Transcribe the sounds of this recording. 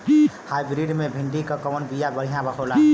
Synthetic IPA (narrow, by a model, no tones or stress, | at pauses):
hajbɾiɖmebʱiɳɖikəkəwənbijabəɽ̤ijãbəkʰola